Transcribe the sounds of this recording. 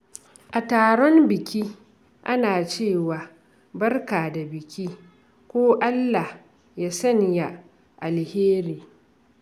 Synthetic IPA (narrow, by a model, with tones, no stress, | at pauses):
ʔa˨taː˨ɽɔ˦mbɪ˨kʲi˦ | ʔa˦naː˨t͡ʃeː˦˨waː˨ | bɐ˦rkaː˨da˨bɪ˨kʲi˦ | kʷoː˦ʔa˦lːa˨h | jaː˦sɐ˦ɲja˦ | ʔa˨lheː˦ɾiː˨